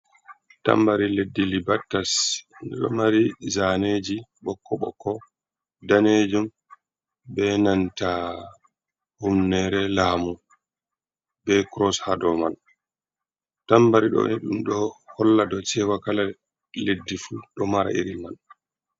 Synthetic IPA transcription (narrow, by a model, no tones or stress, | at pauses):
ta̰mbaɾiledːilibatːasndɛ̰ɗɔ̰maɾizaneːd͡ʒiɓɔkːɔɓɔ̰kːɔ | daneːd͡ʒum | bɛnanta | humnɛɾɛlaːmu | bɛkɾɔshadɔman | tambaɾiɗɔ̰niɗumɗɔhɔlːadɔt͡ʃɛwakala | ledːifuɗɔmaɾa̰ḭɾiman